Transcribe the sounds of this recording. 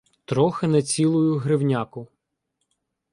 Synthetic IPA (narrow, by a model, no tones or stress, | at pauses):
t̪ɾɔxɪnɐt͡sʲilˠʊjʊɦɾɪwnʲakʊ